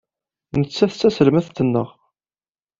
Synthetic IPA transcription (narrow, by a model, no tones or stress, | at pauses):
nət͡sːæθt͡sːæsəlmæθt̪ːənːəʁ